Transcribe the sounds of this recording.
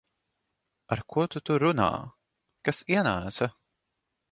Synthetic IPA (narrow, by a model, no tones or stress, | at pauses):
aɾkʰuɔt̪ut̪uɾuna̰ː | kasiɛnæːsɐ